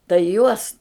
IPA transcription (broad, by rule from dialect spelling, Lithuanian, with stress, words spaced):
tɐɪ ˈjuɔs